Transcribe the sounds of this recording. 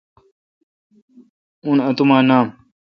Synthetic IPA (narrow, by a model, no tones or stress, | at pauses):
unɐt̪umaːnaːm